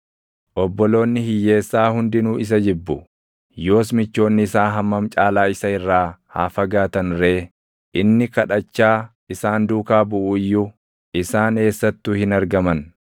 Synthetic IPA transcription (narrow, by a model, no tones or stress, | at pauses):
ʔɔbːɔlo̞ːnːɪhɪjːe̞ːsːaːhʊnd̪ɪnuːɪs̬ɐd͡ʒɪbːʊ | jo̞ːs̬mɪt͡ʃːo̞ːnːɪɪsaːɦɐmːɐmt͡ʃʼaːlaːɪsɐɪrːaːha̰ːfɐɡaːt̪ɐnre̞ː | ʔɪnːɪkɐᶑɐt͡ʃːaː | ɪsaːnd̪uːkaːbʊʔuːjːʊ | ɪsaːne̞ːsːɐt̪ːuːhɪnɐɾɡɐmɐn